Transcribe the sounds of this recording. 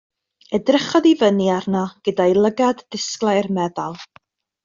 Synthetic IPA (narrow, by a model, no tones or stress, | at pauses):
ɛdrɪχɔðivəniarnɔɡ̥ədajlˠəɡadðɪsklˠajrmɛðalˠ